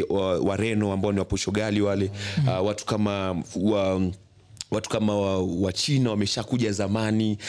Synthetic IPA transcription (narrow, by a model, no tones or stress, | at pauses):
waɾɛnɔambaɔniwapɔʃɔɠaliwalɛawatu̥kamawa | watu̥kamaawat͡ʃinawamɛʃakuʄazamani